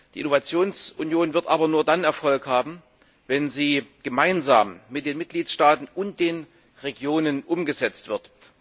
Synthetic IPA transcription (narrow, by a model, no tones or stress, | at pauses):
d̥iːʔɪnovat͡sjoːnsʔʊnjoːnvɪɐtʔaːbɐnuːɐdanɛɐfɔlkhaːbm̩ | vɛnziːɡ̥əmaɪnza̰ːmmɪt̚d̥eːnmɪt̚ɡ̥liːtʃtaːtn̩ʔʊnt̚d̥eːn | ʁeɡjoːnənʔʊmɡəzɛt͡stv̥ɪɐt